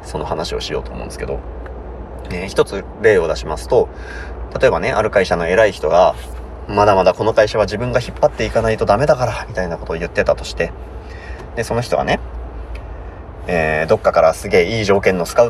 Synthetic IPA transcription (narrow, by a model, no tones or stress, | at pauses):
so̞no̞hanaɕio̞̰ɕijo̞ːt̪o̰ːmõ̰nesɨ̥ked̪o̞̰ | eçi̥t̪o̞t͡sɨ | ɾe̞ːo̞d̪aɕimasɨ̥t̪o̞ | t̪at̪o̞e̞bane̞ʔaɾɯ̟kaiɕano̞e̞ɾaiçi̥t̪o̞ɡa | mad̪amad̪ako̞no̞kaiɕaβ̞aʑibɯ̟̃ŋɡaçipːat̪ːe̞ikanait̪o̞d̪ame̞d̪akaɾamʲit̪ainako̞t̪o̞ːjɯ̟t̪ːe̞t̪at̪o̞̥ɕi̥t̪e̞ | d̪e̞so̞no̞çʲit̪o̞̰ɡa̰ne̞ | eːd̪o̞kːakaɾasɨɡe̞ːiːʑo̞ːkẽ̞nːo̞sɨ̥ka